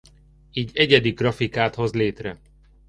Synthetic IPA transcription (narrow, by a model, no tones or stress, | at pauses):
iːɟɛɟɛd̪iɡrɒfikaːt̪ho̞zleːt̪rɛ